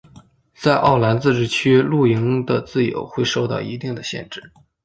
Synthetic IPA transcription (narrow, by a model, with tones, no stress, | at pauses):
t͡sa˥˧ɪʔɑ̰˥˩ʊla˧˥nt͡sɹ̩˥˧ʈ͡ʂɻ̩˥˩t͡ɕʰy˥lu˥˩i˧˥ŋd̪ə˧t͡sɹ̩˥˩jo̰˨˩ʊxwe˥˧ɪʂo˥˧ʊt̪ɑ̰˥˩ʊi˧˥t̪i˥˩ŋd̪ə˩ɕjɛ̰˥˧nʈ͡ʂɻ̩˥˩